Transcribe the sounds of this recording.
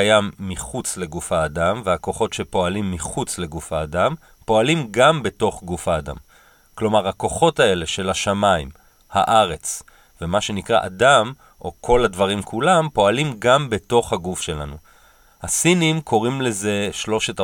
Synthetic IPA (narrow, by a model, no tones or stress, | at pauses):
jamːiχut͡sle̞ɡufhaːdamvehako̞χo̞tʃe̞po̞alimːiχut͡sle̞ɡufhaːdam | po̞alimɡambe̞to̞χɡufhaːda̰m | klo̞maʁako̞χo̞tae̞leʃe̞laʃamaim | ha̰ʔaʁe̞t͡s | vemaʃe̞nikʁa̰ʔadam | ʔo̞kʰo̞ladvaʁimkʰulampo̞alimɡambe̞to̞χhaɡufʃe̞la̰nu | hasinimkʰo̞ʁimle̞ze̞ʃlo̞ʃet